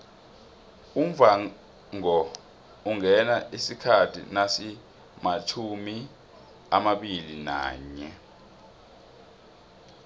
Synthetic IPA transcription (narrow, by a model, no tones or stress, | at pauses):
umva | ŋɔ | uŋɛnaʔisikʰatʰḭnasi | mat͡ʃʰumi | amaɓilina̰ːɲɛ